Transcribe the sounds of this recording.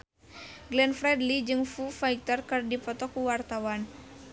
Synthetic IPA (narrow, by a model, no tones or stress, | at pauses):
ɡlɛnfɾɛdlid͡ʒɨŋfufaik̚t̪ərkɨrdipɔt̪ɔkuwart̪awan